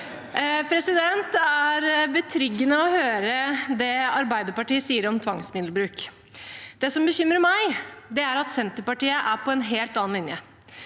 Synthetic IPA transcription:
pʰɾɛsɪd̪ɛnt̪æɾbət̪ʰɾʏɡːənəɔhøːɾəd̪ɛɑɾbæɪd̪əɾpɑʈiːəsiːəɾɔmt̪ʰʋɑŋsmɪd̪lbɾʉːk | d̪ɛsɔmbəçʏmːɾəmæɪd̪ɛæɾɑt̪sɛnt̪əɾpɑʈiːəʔæɾpʰɔɛnɦeːlt̪ɑːnlɪnjə

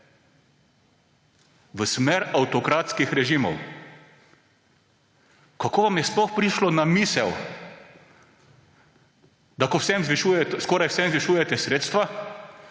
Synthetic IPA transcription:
ʋəsmeɾawt̪ɔkɾaːt̪skixɾɛʒimɔ̰w | kakoːʋamjɛsplɔxpɾiʃlɔnamiːsɛw | d̪akɔwsɛmzʋiʃujɛt̪skɔːɾajwsɛmzʋiʃuːjɛt̪ɛsɾeːt̪st̪ʋa

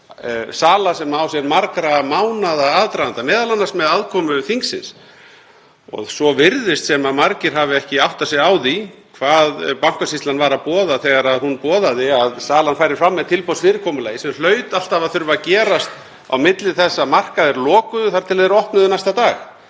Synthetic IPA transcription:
saːlasɛmaawsjɛɾmaɾkɾamawnaðaaːðt̪ɾavant̪amɛːðalanːasmɛðaðkʰɔmʏθiŋksɪ̰ns | ɔ̰ɣsɔvɪɾðɪst̪sɛmamaɾcɪɾ̥ɦaːvɪɛhcɪawht̪asjɛɣaːwðikʰvaːðpawŋ̥kasist̪lanvaːɾapɔːðaθɛɣaɾaðhunpɔːðaðɪaðsaːlanfaːjɾɪɾfɾamːɛðt̪ʰɪlpɔsvɪːɾɪkʰɔmʏlaːjɪsɛml̥œːɥt̪al̥t̪avaθʏɾvacɛːɾast̪ | a̰wmɪt̪lɪθɛsːamar̥kaðɛɾlɔːkʏðʏθaɾ̥t̪ʰɪlaðɛɾɔht̪nʏðʏnajst̪at̪aːx

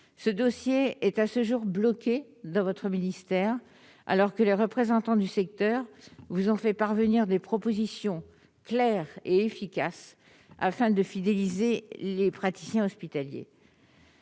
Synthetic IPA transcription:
səd̪osjeɛt̪asəʒuʁblɔkʲe | d̪ɑ̃vɔt̪χəminist̪ɛʁ | a̰lɔʁkəleʁəpχezɑ̃t̪ɑ̃d̪ysɛk̚t̪œʁvuzɔ̃fɛpaʁvəniʁd̪epχɔpozisjɔ̃ | klɛʁeefikʲas | a̰fɛ̃d̪əfid̪elizelepχat̪i̥sjɛ̃ɔspit̪aljḛ

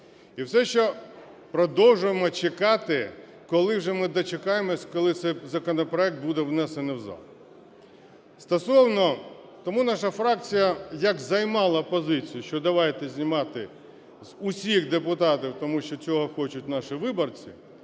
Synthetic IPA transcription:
iwsɛʃt͡ʃɔ | pɾɔd̪ɔwʒʊjemɔt͡ʃekɑt̪ɪ | kɔlˠɪwʒɛmɪd̪ɔt͡ʃekɑjemɔsʲkɔlˠɪt̪sɛjzɐkɔnɔpɾɔɛk̚t̪̚bud̪ɛwnɛsenɪwzɑ̰l | st̪ɔsɔwnɔt̪ɔmunɑʃɐfɾɑk̚t͡sʲijɐjɐkzɐjmɑlˠɐpɔzɪt͡sʲijʊʃt͡ʃɔd̪ɐʋɑjet̪ɛzʲnʲimɑt̪ɪ | z̥ʊsʲixd̪epʊt̪ɑt̪ʲiwt̪ɔmuʃt͡ʃɔt͡sʲɔɦɔxɔt͡ʃʊt̚ʲnɑʃɪʋɪbɔrt͡sʲḭ

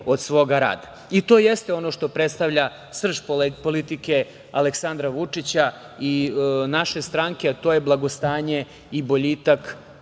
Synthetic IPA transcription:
o̞d̪sʋo̞ɡaɾa̰ːd̪a | it̪o̞jest̪eo̞no̞ʃt̪o̞pɾet̪st̪aʋʎa | sr̩ʃpolpo̞lit̪ike̞ | a̰leksand̪ɾaʋut͡ʂit͡ɕa | inaʃe̞st̪ɾaŋkeat̪o̞ːjeblˠaɡo̞st̪aːɲe̞ | ibo̞ʎit̪ak

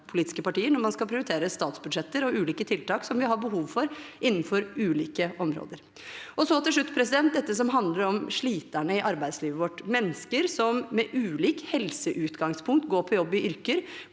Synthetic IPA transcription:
pʰʊliːt̪ɪ̥skəpɑʈiːəɾnɔɾmɑnskɑlpʰɾɪʊɾɪt̪ʰeːɾəst̪ɑːt̪sbʉd̪ʂʃɛt̪ːəɾɔʔʉːliːkət̪ʰɪlt̪ɑːksɔmʋɪɦɑɾbəɦuːʋfɔɾʔɪnːn̩fɔɾʉːliːkəʔɔmɾo̰ːd̪əɾ | ʔɔsɔt̪ʰɪlʂ̬ɭʉt̪ːpʰɾɛsɪd̪ɛnt̪̚d̪ɛt̪ːəs̬ɔmɦɑnd̪ləɾɔmʂɭiːt̪æɳəɪʔɑɾbæɪd̪sliːʋəʋɔʈːmɛnːəskəɾsɔmːɛʔʉːliːkhɛlsəʔʉːt̪ɡɑŋspʰʊŋk̚t̪ɡoːɾpʰɔjɔbːɪʔʏɾkəɾ

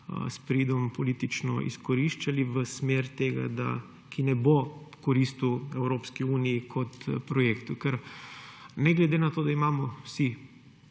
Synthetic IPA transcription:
spɾiːd̪ɔmpɔlit̪it͡ʃnɔ̰ʔḭskɔɾiʃt͡ʃaliʋəsmeːɾt̪eɡa̰d̪a̰ | kʰinɛbokɔɾist̪uwɛwɾoːpskiuːnijikʰɔt̪pɾɔjeːkt̪ukɛɾ | nɛɡlɛd̪enat̪oːd̪aimaːmɔwsi

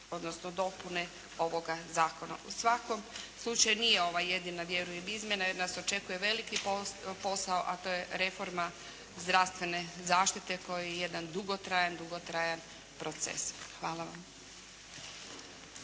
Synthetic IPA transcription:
o̞d̪nosnod̪o̞pune̞ | o̞ʋo̞ɡazaːko̞na̰ʔusʋako̞mslˠut͡ʃajunije̞o̞ʋaje̞d̪inaʋje̞ɾujemizmʲje̞najeɾnaso̞t͡ʃe̞kuje̞ʋe̞likipopo̞saoʔat̪o̞ːje̞ɾe̞fo̞ɾma | zd̪ɾaʋst̪ʋe̞ne̞zaːʃt̪it̪e̞ko̞jijeje̞d̪and̪uɡo̞t̪ɾajand̪uɡot̪ɾajan | pɾo̞t̪sḛsxʋaːlaʋa̰m

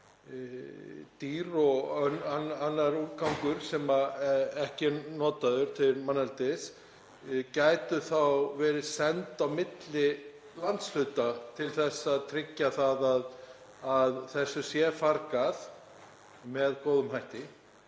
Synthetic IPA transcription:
t̪iːɾɔɣœnananːaɾuːt̪kawŋkʏɾ̥sɛmaɛhcɪnɔːt̪aðʏɾ̥t̪ʰɪmanːalt̪ɪs | caːjt̪ʏθawvɛːɾɪsɛnt̪awmɪt̪lɪ | lant̪sl̥ʏt̪at̪ʰɪlθɛsːaðt̪ʰɾɪcːaθaðað | aðθɛsːʏsjɛfaɾkaθ | mɛðkowðʏmɦajht̪ɪ

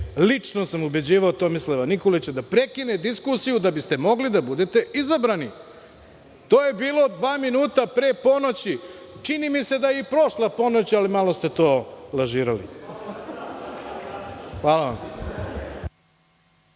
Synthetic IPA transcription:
lit͡ʂnosamube̞d͡ʑiːʋaot̪omisleʋanikolit͡ɕed̪apɾekined̪iskusijud̪abist̪e̞mo̞ɡlid̪abud̪et̪e̞izabɾani | t̪oːje̞biːlˠo̞d̪ʋaːminuːt̪apɾeːpo̞not͡ɕi | t͡ʂinimise̞d̪ajeipɾo̞ʃlˠapo̞not͡ɕialimalo̞st̪et̪o̞ːlaʒiːɾalḭ | xʋaːlaʋam

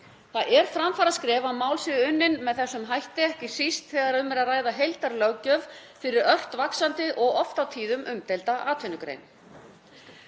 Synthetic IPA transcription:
θaðʔɛɾ̥fɾamfaːɾaskɾɛːvamaːwlsɪðʏnːɪnmɛðθɛsːʏmɦajht̪ɪɛhcɪsist̪θɛɣaɾʏmːɛɾaðraːjðaɦejlt̪aɾlœwcœvfɪɾɪɾœr̥t̪vaksant̪ɪʔɔɣɔft̪awt̪ʰiːðʏmʔʏmt̪ɛejlt̪aʔaːt̪ʰʏnʏkɾḛjn

